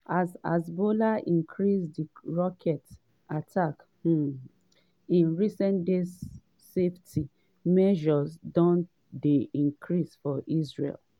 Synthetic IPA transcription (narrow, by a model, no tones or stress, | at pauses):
aza̰zbolaʔĩŋkʰɹisdiɹɔkʰɛt | atʰak | ĩnɹisɛ̃ndez | seftʰi | mɛʒɔzdɔ̃n | deĩŋkʰɹisfɔʔizɹḛl